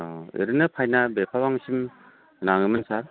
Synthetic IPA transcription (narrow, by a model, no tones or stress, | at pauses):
ɯ̰ɾɯnɯpʰajnabepʰawaŋsim | naŋɯmɯnsaɾ